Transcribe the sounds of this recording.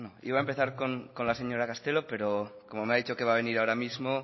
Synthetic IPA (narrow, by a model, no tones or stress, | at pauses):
noḭβaempe̞θaɾko̞ŋko̞nlase̞ɲo̞ɾakast̪e̞lope̞ɾokomomeaðit͡ʃoke̞βaβ̞e̞niɾaoɾamizmo